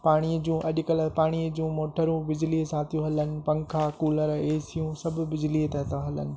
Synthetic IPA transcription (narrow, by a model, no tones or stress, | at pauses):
paːɽ̃iəd͡ʑũːʔɐʄkɐlpaːɽ̃iəd͡ʑũːmoːʈʰəɾũbɪd͡ʑɪliəsaːt̪ʰijũɦɐlənɪ̆pɐ̃ŋkʰakuːləɾeːsijũsɐbʱʊ̆bɪd͡ʑɪliət̪ɐːt̪ʰãɦɐlənɪ̆